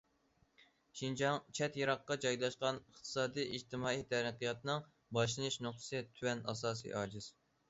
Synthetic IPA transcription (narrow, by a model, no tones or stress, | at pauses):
ʃind͡ʒɑŋt͡ʃʰɛt̪jɑɾɑqːɑd͡ʒɑjlˠɑʃqɑnəχt̪ʰɨ̥sɑːd̪ijid͡ʒt̪ʰɨmɑːijt̪ʰɛɾəqijɑt̪ɨnɨŋ | bɑʃ̬lˠɨnɨʃnʊχt̪ʰɨ̥sɨt̪ʰywɛnɑ̰sɑːsḭɑːd͡ʒɪz̥